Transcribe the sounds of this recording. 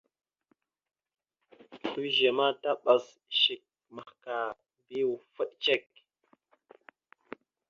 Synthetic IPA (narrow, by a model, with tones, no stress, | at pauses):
tu˦ʒe˨ma˦ta˦ɓa˨s | ʃi˨k̚ | ma˨xka˨ | bi˦wu˨fə˦ɗt͡ʃe˦k